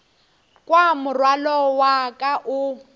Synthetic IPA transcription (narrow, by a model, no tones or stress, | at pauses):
kʼwamʊrwalɔwakʼaʔʊ